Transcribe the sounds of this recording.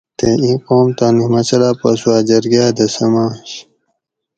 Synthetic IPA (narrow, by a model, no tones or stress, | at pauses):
t̪eĩːqoːmt̪aːnimɐt͡ɕɐlaːpɐswaːd͡ʑɐɾɡaːd̪ɐsɐmãːɕ